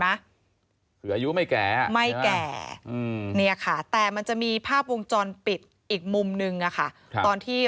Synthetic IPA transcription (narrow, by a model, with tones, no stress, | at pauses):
a˦˥ | kʰɯː˩˦ʔːju˦˥ma˥˩jkɛ̰ː˨˩ma˥˩jkɛː˨˩ɯ˧ni˥˩ɐkʰa˥˩t̪ɛː˨˩ma˧nt͡ɕa˨˩ʔmiː˧pʰaː˥˩p̚wo˧ŋt͡ɕɔː˧npi˨˩t̪̚ | ʔiː˨˩k̚mu˧mnɯ˧ŋʔa˨˩kʰa˥˩˧ | t̪ɔː˧nt̪ʰiː˥˩